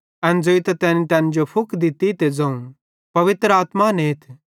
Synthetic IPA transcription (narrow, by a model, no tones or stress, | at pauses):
ɛnd͡zoːit̪at̪ɛːnit̪ɛ̃ːnd͡ʒopʰʊkʰd̪ɪt̪it̪ed͡zɐ̃ũ | pɐʋɪt̪ɾəaːt̪maneːt̪ʰ